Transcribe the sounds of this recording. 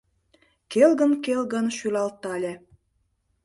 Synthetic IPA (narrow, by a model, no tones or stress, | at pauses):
kelɣənkelɡənʃylɑlt̪ɑlʲe